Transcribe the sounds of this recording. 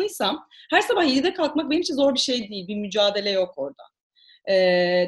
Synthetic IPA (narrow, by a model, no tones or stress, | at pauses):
ɯjsamhæɾsabahiɾid̪ɛkʰalˠk̪mak̚benimt͡ʃʰinzo̞ɾbiʃe̞jd̪ijilʲbimyd͡ʒaːd̪e̞lʲɛjo̞ko̞ɾd̪a̰ | ɛː